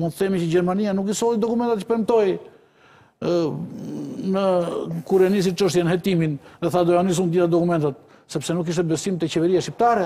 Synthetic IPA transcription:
mund̪θɛmit͡ɕəd͡ʑɛɾmanianukisɔlˠid̪ɔkumɛnt̪at̪cə̥pɛɾmt̪ɔj | nəkuɾɛnis̬it͡ʃəʃt̪jɛnəhɛt̪iminðɛθad̪ɔjanis̬und̪iθad̪ɔkumɛnt̪at̪̚ | sɛpsɛnuk̬ːiʃt̪ɛbɛsimt̪ɛt͡ɕɛvɛɾiasʃcip̚t̪aɾɛ

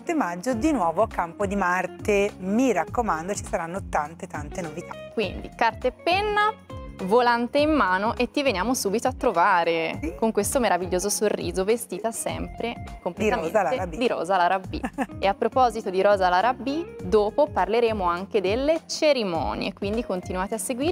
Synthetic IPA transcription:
t̪ːemad͡ʒːod̪inwɔːvoakːampod̪imart̪emiɾakːomand̪ot͡ʃi̥saɾanːot̪ant̪et̪ant̪enovit̪ʰakwind̪ḭkart̪aepːɛnːavolant̪eimːaːnoʔet̪ːivenjaːmosuːbit̪oat̪ːɾovaːɾekoŋkwest̪omeɾaviʎːoːzosorːḭːzovest̪iːt̪asɛ̰mpɾekompleiɾamenaled̪iɾɔ̰ːzalaɾabːḭeapːɾopɔzit̪od̪iɾɔːzalaɾabːid̪oːpoparleɾeːmoaŋk̟ed̪elːet͡ʃeɾimɔ̰ːnjḛkːwind̪ikont̪inuaːt̪easːeɡwiːɾ

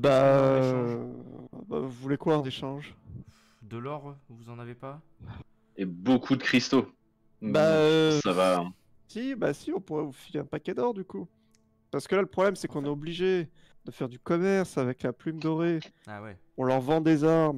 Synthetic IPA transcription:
ba | ba̰vuvulekwad̪eʃɑ̃ʒ | d̪əlɔʁvuzɑ̃navepa | ebokʰud̪əkχist̪o | baøsava | sibasiɔ̃puʁɛvufileɛ̃pakʲɛd̪ɔʁd̪yku | paʁsə̥kəlaləpχɔblɛmsɛkɔ̃nɛobliʒe | d̪̥əfɛʁd̪ykɔmɛʁsavɛklaplymd̪ɔʁeawɛ | ɔ̃lœʁvɑ̃d̪ezaʁm

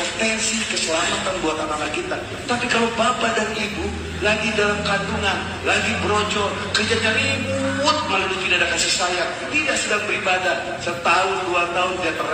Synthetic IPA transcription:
t̪ɛnsikəsəlamat̪anbuat̪anamakit̪a | t̪apikalowbapadaɾiibu | laɡidalamkaduŋan | laɡibəɾot͡ʃɔ | kərd͡ʒat͡ʃaɾiibuːt̪̚malalupidadakasisajaŋ | t̪idaʔsədaŋbəɾibada | sət̪aʊnduart̪aʊndiat̪ər

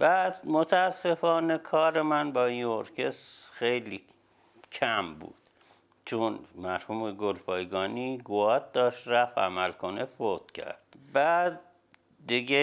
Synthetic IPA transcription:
bæːd̪mot̪ʰææsːe̞fɒːne̞kʰɒːɾemænbɒːĩnoɾcʰesxejliː | kʰæmbṵːd̪̥ | t͡ʃʰonmæɾhuːmeɡolpʰɒːjɡɒːniːɡoɒːt̪̚d̪ɒːʃt̪ɾæfæ̰mælko̞nefot̪cʰæ̰ɾd̪̥̚bæd̪̚ː | iɡe

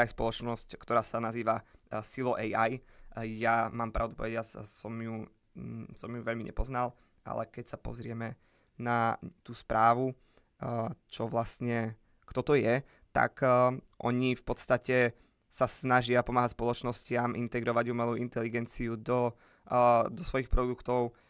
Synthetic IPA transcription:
ajspɔlɔt͡ʃnɔsckt̪ɔɾaːsanaziːʋasilɔʔɛjajjamaːmpɾa̰ʊd̪upɔ̰ʋɛɟɪat͡ssɔmju | sɔmjuʋɛʎmiɲʔɛ̰pɔznal | ʔa̰lɛ̰kɛcsapɔ̰zɾɪɛmɛ | nat̪uːspɾʔaːʋu | t͡ʃɔʋlast̪ɲɛ | kt̪ɔt̪ɔjɛ | t̪a̰kʔɔ̰ɲifpɔt̪st̪acɛ | sasnaʒɪapɔmaːɦacspɔlɔt͡ʃnɔscɪamʔḭnt̪ɛɡɾɔʋaɟumɛluːint̪ɛliɡɛnt͡siud̪ɔ | d̪ɔsʋɔjixpɾɔd̪ukt̪ɔʊ

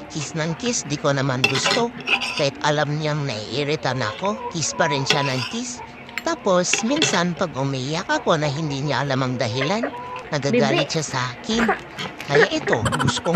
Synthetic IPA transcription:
kisnɐŋkisd̪iko̞nɐmanɡʊst̪okahɛt̪ɐlamnaŋnɐʔiʔiɾɪt̪anɐ̰ko̞kispɐɾɪnʃanɐŋkis | t̪aːpo̞sminsanpɐɡʊmɛjakɐko̞nɐɦɪnd̪iɲalamɐŋd̪ɐɦilanːɐɡaɡaːlɪt̪ʃasaːkɪn | kɐjaʔɛt̪o̞ɡʊsko

